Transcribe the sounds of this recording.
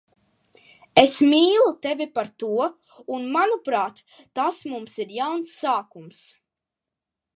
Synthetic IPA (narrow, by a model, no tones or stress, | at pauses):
esmʲiːlˠut̪ɛvʲipaɾt̪uɔ | unmanupɾaːt̪ː | asmumsiɾjawnsːaːkums